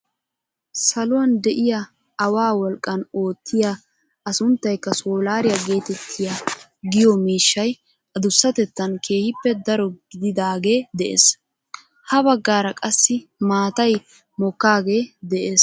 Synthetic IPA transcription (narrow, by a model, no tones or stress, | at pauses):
sɐlʊwɐnd̪ɛʔɪja | ɐwaːwɔlkʼːɐno̞ːt̪ʰːɪja | ɐsʊnt̪ːɐjkːɐsoːlaːɾɪjɐɡe̞ːt̪ɛt̪ʰːɪja | ɡɪjɔmiːʃːɐj | ʔɐd̪ʊsːɐt̪ɛt̪ːɐnkʰe̞ːhɪpːɛd̪ɐɾɔɡɪd̪ɪd̪aːɡe̞ːd̪ɛʔḛːs | hɐbɐɡːaːɾɐkʼɐsːɪmaːt̪ɐj | mɔkːaːɡe̞ːd̪ɛʔeːs